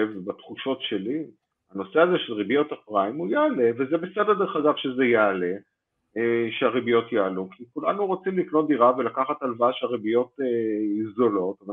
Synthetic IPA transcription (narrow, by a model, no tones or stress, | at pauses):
vbat̪χuʃo̞tʃe̞li | ano̞seazeʃelʁibijo̞thapʁaimujaale̞vezebesededeχaɡavʃezejaːle̞ | ʃeaʁibijo̞tjaːlukʰikulanuʁot͡simlikno̞t̚d̪iʁavelakaχatalvaʃaʁibijo̞teizolo̞tava